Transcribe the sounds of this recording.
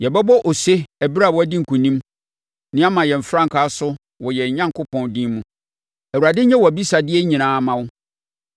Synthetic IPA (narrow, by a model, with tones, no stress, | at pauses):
jɛ˨bɛ˦bɔ˦ʔɔ˨se˦æ˨bɾa˦˨wɔ˦æ˦di˦ŋ̩˨kʰũ˨nĩ˦m | nɪ̃˦a˦mã˨jɛ˨m̩˨fɾã˦ŋ̩˨kʰaː˨˦sʊ˦ | wɔ˨jɛ˨ɲã˦ŋkʰʊ˦pʰɔ̃˨ndĩ˦mũ˦ | æ˨wu˨ɾa˨dɪ̃˦ɲɛ˦wɔ˨æ˨bi˦sa˨dɪ˦ɛ˦ɲĩ˨nãː˨˦˨mã˦˨wʊ˦